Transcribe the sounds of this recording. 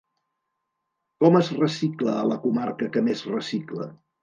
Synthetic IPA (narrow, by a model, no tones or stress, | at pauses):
kɔməzrəsikləːləkumarkəkəmezrəsiklə̰